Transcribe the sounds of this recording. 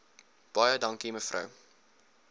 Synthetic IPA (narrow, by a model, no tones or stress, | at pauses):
b̥ɑjədɐŋkiməfrʔɐ̰w